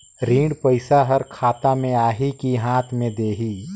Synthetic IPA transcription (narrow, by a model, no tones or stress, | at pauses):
ɾiːɽpəɪsaɦəɾkʰaːt̪amẽaːɦikiɦãːt̪ʰmẽd̪eːɦiː